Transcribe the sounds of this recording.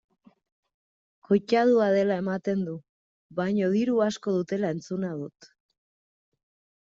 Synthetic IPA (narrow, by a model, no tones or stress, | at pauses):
kojt͡ʃað̞uaðe̞lae̞mat̪e̞nd̪u | βajɲoðiɾuasko̞ð̞ut̪e̞lae̞nt͡sunað̞ut̪